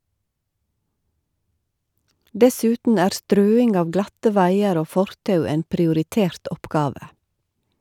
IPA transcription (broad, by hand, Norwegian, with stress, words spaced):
ˈdɛˌsʉːtn̩ ˈæːɾ ˈstɾøːɪŋɡ ˈɑːʋ ˈɡlɑtə ˈʋæɪəɾ ˈoː ˈfɔɾtɑʉ ˈeːn pɾɪʊɾɪˈteːɾt ˈɔpɡɑːʋə